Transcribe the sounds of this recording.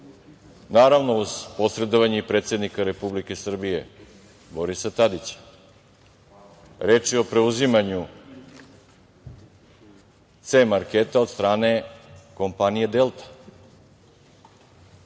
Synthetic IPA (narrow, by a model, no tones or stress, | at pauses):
naːɾaʋno̞uzpo̞sɾe̞d̪oʋaɲeipɾet̪sʲe̞d̪nikaɾe̞publike̞sr̩bije̞̰ | bo̞ɾisat̪ad̪it͡ɕḁ | ɾe̞ːt͡ʃio̞pɾe̞uzimaɲu | t̪semaɾket̪ao̞d̪st̪ɾaːne̞ko̞mpanijed̪e̞lˠt̪ḁ